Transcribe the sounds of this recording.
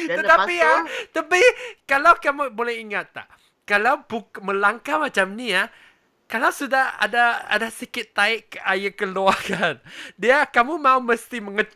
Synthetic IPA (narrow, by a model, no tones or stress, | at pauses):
t̪ət̪apiat̪apikalawkamubolɛhiŋat̪ːa̰ʔ | kalawbumə̃laŋkamat͡ʃamnĩa | kalawsudaha̰daa̰dasəkɪt̪ːaɪʔkəʔajəkəluakandiakamũmãuməst̪imə̃ŋə